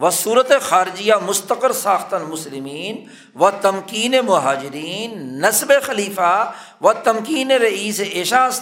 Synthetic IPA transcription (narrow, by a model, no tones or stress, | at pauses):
ʋɐsuːɾət̪exaːɾɪd͡ʒijamʊst̪əqəɾsaːxt̪ɐnmʊslɪmiːn | ʋɐt̪ɐmkiːnemʊɦaːd͡ʒɪɾiːnːɐsbexɐliːfa | ʋɐt̪ɐmkiːneɾɐiːseʔeʃaːs